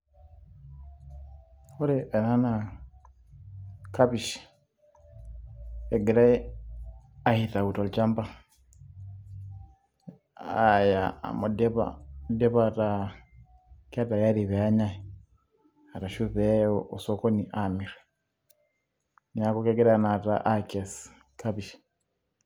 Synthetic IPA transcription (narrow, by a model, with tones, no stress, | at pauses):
hɔ˦ɾɛɛ˨na˦na | ka˦βi˨ʃi̥ | ɛ˨ɡɛ˨ɾa˦ɛ | a˨hita˨u˨tɔ˨lt͡ʃa˦mba˦ | aja̰˨mo˨dɛ˦βa̰dɛ˦βa˨ta | ka˦ta˨ja˦ɾi˨βɛ˨a˦ɲa˦ɛ | a˨ta˨ʃuβɛ˦ʔɔsɔkɔni˨ʔamiɾɛ | niakɔkɛɡɛ˦ɾɛana˨ta̰ʔakɛs | kaβiʃi̥